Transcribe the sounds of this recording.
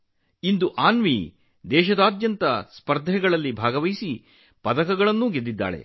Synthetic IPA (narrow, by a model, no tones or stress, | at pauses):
ind̪uʔaːnʋi | d̪ɛːʃɐd̪aːd̪jɐnt̪ɐspɐɾd̪ʱɛɡɐɭɐlːibʱaːɡɐʋɐjisi | pɐd̪ɐkɐɡɐɭɐnːuɡed̪ːid̪ːa̰ːɭḛ